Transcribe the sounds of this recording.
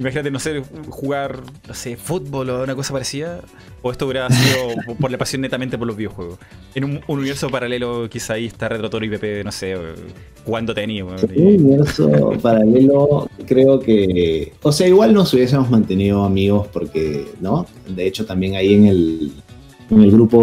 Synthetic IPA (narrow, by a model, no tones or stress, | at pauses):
imaxinat̪enosexuɣaɾnose̞fut̪̚bolounako̞sapaɾesiða | oeht̪ouɾeaasiðoppoɾlapasjo̞nːet̪ament̪epoɾlozβiðjoxweɣos | enumununieɾso̞paɾale̞lokisaːieht̪aret̪ɾat̪oɾoipepenose | xuɣand̪ot̪eaniuuniβeɾso̰paɾale̞lokɾe̞okeoseaiɣwalnosuβjes̬emo̞zmãnt̪e̞nið̞oamiɣo̞spo̞ɾkeno | d̪e̞et͡ʃo̞t̪ambje̞ŋaieŋel | eŋe̞lɣɾupo̞